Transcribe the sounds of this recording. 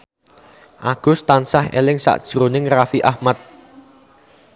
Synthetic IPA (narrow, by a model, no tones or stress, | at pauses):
ʔaɡ̥ʊ̤st̪ansahḛlɪŋsa̰ʔd̥ʒ̥ɾonɪŋrafiʔahmat̪̚